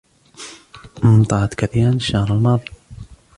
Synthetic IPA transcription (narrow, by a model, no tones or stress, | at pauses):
mʊmt̪ˤɑʕɑt̪kaθiːɾanʃːahɾalmɑːðˤi